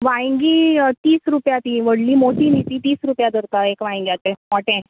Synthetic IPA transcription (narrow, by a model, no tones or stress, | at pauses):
ʋãŋɡit̪iːsɾupjat̪ĩʋəɽliːmoʈiːnit̪it̪iːsɾupjad̪ʱəɾt̪aekʋãŋɡjat̪ẽmɔʈẽ